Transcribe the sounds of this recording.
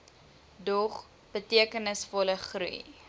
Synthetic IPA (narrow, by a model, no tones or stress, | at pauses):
dɔχ | b̥ətiəkənəsfɔləχrɾṵj